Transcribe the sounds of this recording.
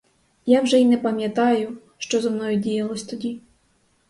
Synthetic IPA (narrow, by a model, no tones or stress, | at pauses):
jawʒɛinɛpɐmʲjɐt̪ɑjʊ | ʃt͡ʃɔzɐmnɔjʊdʲijɐlˠɔsʲt̪ɔdʲi